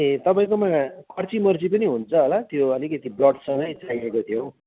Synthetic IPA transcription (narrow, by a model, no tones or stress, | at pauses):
et̪ʌpaĩkomakʌrt͡simʌrd͡zipʌniɦunt͡sʰʌɦolat̪joʌlikʌt̪iblʌɖsʌŋɡʌjt͡saiekot̪ʰjo